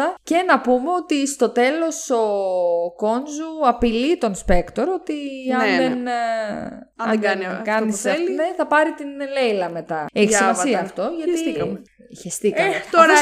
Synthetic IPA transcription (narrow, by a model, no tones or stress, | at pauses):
ɐce̞nɐpumeo̞t̪ist̪o̞t̪e̞lo̞so̞ko̞nzuɐpilit̪o̞nspe̞kt̪o̞ɾo̞t̪iɐnnðen | ɐeɡɐnɡɐniselineθɐpɐɾit̪inle̞jlɐme̞t̪ɐeçismɐssiɐːft̪o̞ʝɐt̪iikɐmçest̪ikt̪oɾɐ